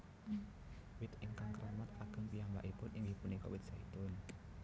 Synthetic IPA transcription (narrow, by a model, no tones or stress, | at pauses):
wɪt̪ɪŋkaŋkəɾamat̪aɡ̥əŋpiamba̰ʔipʊnʔɪŋipʊnɪŋkɔ̰ʔwɪt̪̚sait̪ʊn